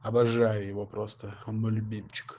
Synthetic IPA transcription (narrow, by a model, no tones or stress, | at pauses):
ɐbɐʐːajɪjɪvopɾost̪əmɨlʲʊbʲimʲt͡ɕɪ̥k